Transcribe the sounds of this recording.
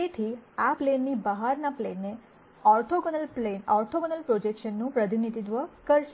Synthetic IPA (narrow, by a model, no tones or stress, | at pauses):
et̪ʰiaplenːibəɦaɾnaplenːe | ɔɾʈʰoɡənəlplenɔɾʈ̪ʰoɡənəlpɾod͡ʒekʃənːũpɾəd̪ʱinit̪id̪ʋəkəɾʃe